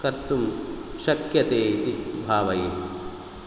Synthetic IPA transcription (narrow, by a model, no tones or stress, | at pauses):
kɐɾt̪umʃɐkjɐt̪eːit̪ibʱaːʋɐje